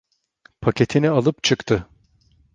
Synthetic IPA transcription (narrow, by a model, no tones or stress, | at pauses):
pʰacʲet̪ʰinialˠɯpt͡ʃʰɯkt̪ʰɯ